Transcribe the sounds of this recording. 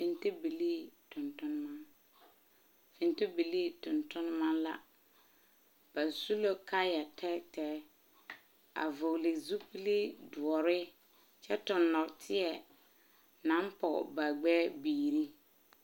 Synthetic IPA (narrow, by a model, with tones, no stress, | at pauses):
fɪ˨nti˦bi˨liː˦tʊ˨ntʊ˦n˦ma˦ | fɪ˨nti˦bi˨li˦tʊ̃˨ntʊ˦n˦ma˦la̰˦ | b̥a˨su˦lo˦ka˦ja˨tʰɛ˦tɛː˦ | a̰˨vo˨lɪ˨zu˦pi˦li˦dʊ˨ɔ˨ɾɪ˦ | t͡ʃɛ˦tʊ˨nːɔ˨ktʰɪ˦ɛ˨ | nã˨˦mpɔ̰˨ba˨ɡ͡bɛː˦biː˨ɾi˦